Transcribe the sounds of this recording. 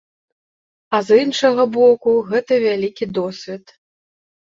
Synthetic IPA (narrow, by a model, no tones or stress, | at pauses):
ɐzinʂɐɣɐbɔkuɣɛt̪ɐvʲalʲikʲid̪ɔsʲvʲɛt̪